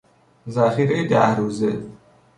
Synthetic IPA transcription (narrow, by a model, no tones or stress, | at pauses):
zæxiːɾejed̪æhɾuːze